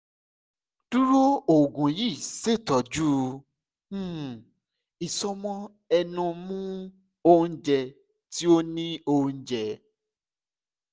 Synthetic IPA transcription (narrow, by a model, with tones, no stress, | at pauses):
d̥u˦ɾo˦o˨ɡũ˨ji˦˨se˦˨tɔ˨d͡ʒu˦˨ | i˨sɔ˧mɔ̃˦ | ɛ˧nũ˧mũ˦ | o˧ũ˧d͡ʒɛ˧ | ti˦o˦nĩ˦o˧ũ˧d͡ʒɛ˨˦